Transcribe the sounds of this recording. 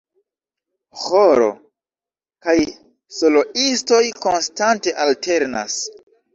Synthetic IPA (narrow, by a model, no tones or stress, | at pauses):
hoɾo̰ | kaj | so̞lo̞ʔisto̞jko̞nstante̞ʔaltʰe̞ɾna̰s